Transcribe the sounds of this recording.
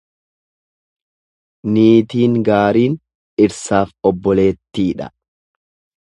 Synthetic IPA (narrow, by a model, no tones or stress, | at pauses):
niːt̪iːŋɡaːɾiːn | ɪɾsaːfɔbːɔle̞ːt̪ːiːᶑɐ̰